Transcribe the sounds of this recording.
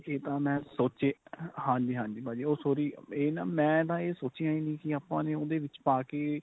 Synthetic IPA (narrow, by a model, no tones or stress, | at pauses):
eːt̪ãːmɛ̃ːsoːt͡ʃeːhãːɲd͡ʒiːɦãːɲd͡ʒiːbaːd͡ʒiːoːsoːɾiːeːnaːmɛ̃ːt̪ãːeːsoːt͡ʃijãːĩːnĩːkɪaːpãːnẽːoːd̪eːʋɪt͡ʃpaːkeː